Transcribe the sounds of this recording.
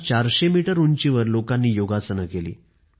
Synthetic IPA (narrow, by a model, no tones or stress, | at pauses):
t͡ɕaɾɕemiʈəɾunt͡ɕiʋəɾlokanːiːjoɡat͡sənəkelḭː